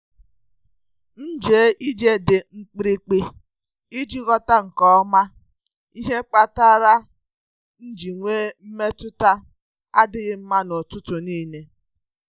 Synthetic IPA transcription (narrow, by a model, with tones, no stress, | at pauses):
n̩˦d͡ʒeː˨˦ʔi˦d͡ʒe˦dɪ˨ŋ͡m̩˦k͡pɾi˦k͡pi˦ | i˦d͡ʒi˦ɣɔ˦ta˦ŋ̩˨kɔ˦ɔ˦ma˦ | i˦ɦe˦k͡pa˦ta˦ɾa˦ | n̩˦d͡ʒi˨ŋʷeː˦m̩˦me˦tʊ˦ta˦ | a̰˦dɪ˦ɣɪ˦m̩˦ma˦no˨tʊ˦tʊ˨niː˦˨ne˦